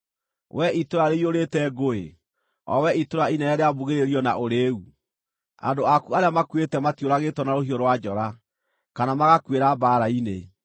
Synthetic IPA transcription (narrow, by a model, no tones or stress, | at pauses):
wʔɛʔitoɾaɾeioɾetɛɡoḛ | ɔ̰wɛitoɾainɛɾɛɾeaβuɣeɾeɾiɔnaʔoɾeːu | a̰ndoakuaɾeamakwetɛmatjoɾaɣetwɔnaɾoɦiɔɾwad͡ʒɔɾa | kanamaɣakweɾabaːɾaine